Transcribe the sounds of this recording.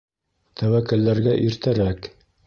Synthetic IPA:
t̪ʰæwækɘ̆lːæɾɡæʔiɾt̪æɾæk

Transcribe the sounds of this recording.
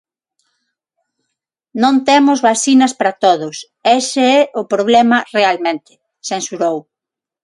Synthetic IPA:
nõnt̪emʊzβasinɐspɾɐt̪oðʊs | ɛseɛʔʊpɾoβ̞lɛmɐrealmẽnt̪ɪ̥ | sensuɾow

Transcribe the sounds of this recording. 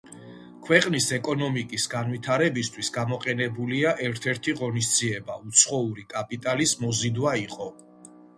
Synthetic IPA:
kʰwɛqʼnisɛkʼɔnɔmikʼisɡanwit̪ʰaɾɛbist̪ʰwisɡamɔqʼɛnɛbuliaʔɛɾt̪ʰɛɾt̪ʰiʁɔnisd̪ziɛbaut̪sʰχɔuɾikʼapʼit̪ʼalismɔzid̪waiqʼɔ

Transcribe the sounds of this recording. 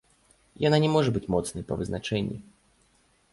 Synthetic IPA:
jananʲɛmɔʐɛbɨtʲmɔt̪snəjpɐvɨznat͡ʂɛnʲːḭ

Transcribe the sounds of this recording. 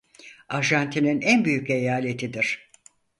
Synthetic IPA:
aɾʒant̪ʰininænbyjycejaːlʲe̞t̪ʰid̪iɾ̥

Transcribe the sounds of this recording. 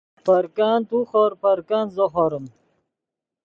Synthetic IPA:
pɐɾkaːnt̪uχɔːɾpɐɾkaːnzoχaɾɐm

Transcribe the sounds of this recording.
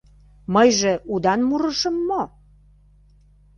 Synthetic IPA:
məjʒĕʔud̪ɑnmuɾəʃə̆mːo

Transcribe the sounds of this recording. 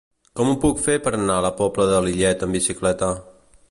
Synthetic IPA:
kɔmupukfepəɾənaləpɔpləðəliʎɛt̪əmbisiklɛt̪ə

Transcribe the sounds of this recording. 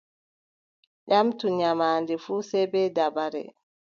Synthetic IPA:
ʄamtuɲamaːndɛfuːsɛbɛdabaɾɛ̰

